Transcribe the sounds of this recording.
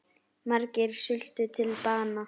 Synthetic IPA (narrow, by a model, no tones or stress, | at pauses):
markɪɾ̥sʏl̥t̪ʏt̪ʰɪlpaːna